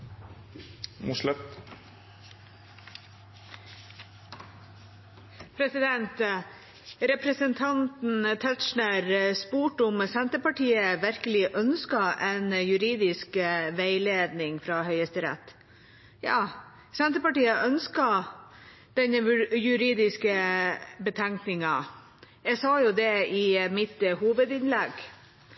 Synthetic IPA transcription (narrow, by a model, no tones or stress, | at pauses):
muslɛt̪ | pʰɾɛsɪd̪ɛnt̪ | ɾɛpɾəsənt̪ʰɑnt̪n̩t̪ʰɛt̪ʃɳəɾspuːʈʊmsɛnt̪əpɑʈiːəʋæɾkəlɪʔœnskɑʔɛɪnjʉɾiːd̪ɪskʋæɪleːd̪nɪŋfɾɑɦœʏəst̪əɾɛ̰t̪ː | jɑː | sɛnt̪əpɑʈiːəʔœnskɑ | d̪̥ɛnjʉɾiːd̪ɪskəbət̪ʰɛŋknɪŋɑ | jɛɡsɑːjʊd̪ɛɪmɪt̪huːʋəd̪ɪnlɛɡ